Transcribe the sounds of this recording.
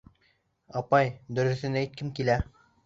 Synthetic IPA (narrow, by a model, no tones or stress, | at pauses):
ɑpɑjd̪ɵ̆ɾɘ̆θɘ̆næjt̪̚kɘmkilæ